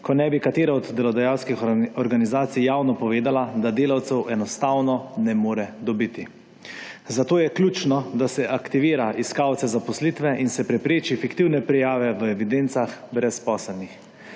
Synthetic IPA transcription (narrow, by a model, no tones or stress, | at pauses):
kɔnɛbikat̪eːɾaɔd̪ːɛlɔd̪ɛjawskixɔɾɡanizaːt̪sijjawnɔpɔʋeːd̪alad̪ad̪eːlawt̪sɛwʔɛnɔst̪awnɔnɛmoːɾɛd̪ɔbit̪i | zat̪oːjɛklʲuːt͡ʃnɔd̪asɛʔakt̪iʋiːɾaʔiskaːwt̪sɛzapɔslit̪ʋɛʔinsɛpɾɛpɾeːt͡ʃifikt̪iwnɛpɾɛjaːʋɛʋəɛʋid̪ent̪saxbɾɛspɔːsɛlnix